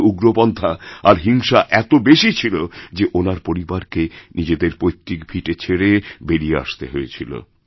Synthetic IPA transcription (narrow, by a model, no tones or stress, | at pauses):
uɡɾobɔnd̪ʱaaɾɦiŋʃaʔɛt̪obeʃit͡ɕʰilod͡ʑeʔonaɾpoɾibaɾkenid͡ʑed̪eɾpojt̪ːikbʱiʈet͡ɕʰeɽebeɾijea̰ʃt̪eɦoet͡ɕʰilo̰